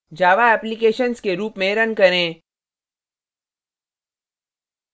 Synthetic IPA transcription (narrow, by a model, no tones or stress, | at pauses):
d͡ʒaːʋaɛːplikeːʃənskeɾuːpmẽɾɐnkɐɾẽː